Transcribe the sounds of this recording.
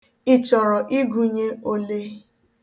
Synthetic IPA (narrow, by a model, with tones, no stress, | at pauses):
i˦t͡ʃɔ˨ɾɔ˨ʔi˦ɡu˨ɲe˦o˦le˦